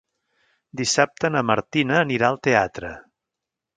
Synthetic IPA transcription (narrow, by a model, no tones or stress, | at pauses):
d̪isap̚t̪ənəməɾt̪inəːniɾaəlˠt̪eat̪ɾə̰